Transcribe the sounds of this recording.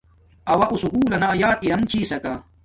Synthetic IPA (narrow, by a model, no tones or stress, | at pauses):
ɐwɐʔusukuːlɐnajaːt̪iɾɐmt͡ɕʰiːsɐka